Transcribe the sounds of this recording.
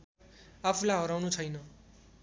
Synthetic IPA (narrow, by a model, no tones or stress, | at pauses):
apʰulaɦʌɾawnut͡sʰʌjnʌ